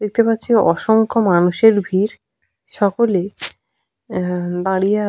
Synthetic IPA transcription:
d̪ek̚t̪epatːɕʰiɔʃoŋkʰomanuʃeɾbʱiɾ | ʃɔkole | d̪aɽija

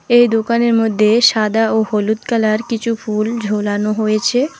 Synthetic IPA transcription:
ejd̪okaneɾmod̪ʱːeʃad̪aoholut̪kalaɾkit͡ɕʰufʰuld͡ʑʱolanoɦojet͡ɕʰe

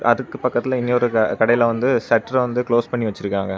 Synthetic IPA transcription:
ʔɐ̰ðɯkːɯpːɐkːɐt̪ːɪlɐ̃ɪnːeɔɾɯɐkɐɽɐjɪlɐʋɐnd̪ɯsɛʈːɐɾʋɐnd̪ɯkloːspɐɳːiʋɐt͡ʃːɪɾɯkːaːŋɡɐ

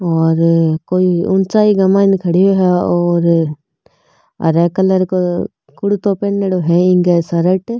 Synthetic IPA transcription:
ɔːɾkoːiʊnt͡ʃaːiɡɐmaːnkʰɐɽijoɦɛɔːɾ | ɾɛːkələɾko | kʊɽut̪oːpenːeɽoɦɛɪ̃ŋɡesɐɾəʈ

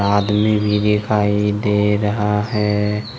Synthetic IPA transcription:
aːd̪mibʱid̪ɪkʰaːid̪eɾəɦaɦɛ

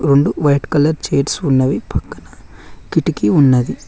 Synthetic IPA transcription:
ɾeɳɖuʋɐjʈkɐlɐɾt͡ʃeːʈsunːɐʋipʰɐkːɐnɐkiʈikiunːɐd̪i

